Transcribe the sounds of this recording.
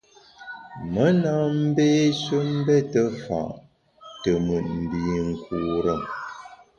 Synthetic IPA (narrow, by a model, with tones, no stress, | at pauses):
mə˦na˦m̩˦beː˦sɥə˦m̩˦bɛ˦tə˦fa̰˨ʔ | tə˨mʉ˨ʔ̚m̩˨bi˨ŋ̩˨kuː˨ɾə˦˨